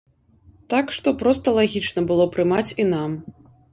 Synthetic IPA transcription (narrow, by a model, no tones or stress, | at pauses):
t̪akʂt̪ɔpɾɔst̪ɐlˠaɣʲit͡ʂn̪ɐbɨlˠɔpɾɨmat͡sʲinam